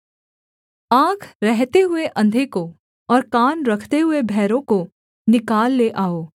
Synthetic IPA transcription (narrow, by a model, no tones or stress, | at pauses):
ãːkʰɾɛɦt̪eɦʊeʔɐ̃nd̪ʱeko | ɔːɾkaːnɾɐkʰt̪eɦʊebʱɛːɾõko | nɪkaːlːeʔaːoː